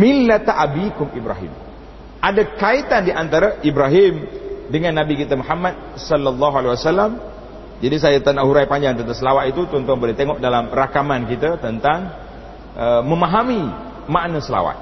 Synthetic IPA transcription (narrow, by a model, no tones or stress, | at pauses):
milːat̪aʔabikʊmibɾa̰ɦḭm | ʔadakait̪andiʔant̪aɾaʔibɾaɦimdəŋanːabikit̪əmuħamːat̪̚sɔlːalːɑɦualewasalːam | d͡ʒadis̬ajat̪anaʔɦuɾajpaɲd͡ʒaŋt̪ənt̪aŋsəlawat̪it̪ut̪ɔnt̪ɔŋbolat̪eŋɔʔ̚dalamrakamankit̪ət̪ənt̪aŋ | ʔəməmaɦami | maʔnəsəla̰wa̰t̪̚